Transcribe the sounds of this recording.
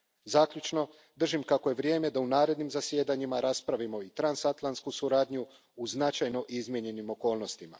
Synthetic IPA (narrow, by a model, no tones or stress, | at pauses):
zaːkʎʲut͡ʃno̞ | d̪r̩ʒimkako̞je̞ʋɾje̞ːme̞d̪aunaːɾe̞d̪nimzasje̞d̪aɲimaɾaːspɾaʋimo̞it̪ɾansat̪lˠant̪skusuɾaːd̪ɲu | uznat͡ʃajno̞ʔizmje̞ɲe̞nimo̞ko̞ːlˠno̞st̪ima̰